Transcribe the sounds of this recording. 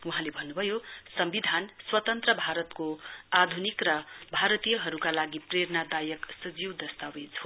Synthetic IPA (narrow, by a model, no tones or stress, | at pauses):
uɦãlebʱʌnːubʱʌjosʌmbid̪ʱanswʌt̪ʌnt̪rʌbʱaɾʌt̪koad̪ʱunikrʌbʱaɾʌt̪ijʌɦʌɾukalaɡipreɾnad̪ajʌksʌd͡ziwd̪ʌst̪awed͡zɦo